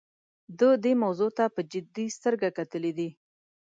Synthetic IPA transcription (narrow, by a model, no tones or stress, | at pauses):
d̪əd̪emawzot̪apəd͡ʒɪd̪ist̪əɾɡakat̪əled̪i